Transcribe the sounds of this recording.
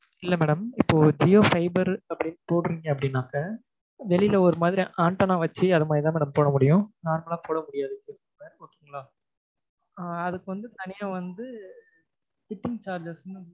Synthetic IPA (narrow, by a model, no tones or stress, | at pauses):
ɪlːɐmeːɽɐmɪpːoːd͡ʒɪjoːfɐɪbɐɾɐpːɐɽɪnːɯpoːɽɯɾiːŋɡɐɐp̬ːɐɽɪnːaːkɐ | ʋɛlɪlɐɔɾɯmaːðɪɾiʔaːɳʈɐnãːʋɐt͡ʃːɯɐðɐmaːðɾit̪ãːmɛːɽɐmpoːɽɐmʊɽɪjʊ̃naːɾmɐlaːpoːɽɐmʊɽɪjaːðɯkːɯ | meːɾkoːkːiːŋɡɐɭaː | ɐðɯkːɯʋɐnd̪ɯt̪ɐnɪjaːʋɐnd̪ɯ | kɪʈːɪŋɡt͡ʃaːɾd͡ʒɐɾsnɯ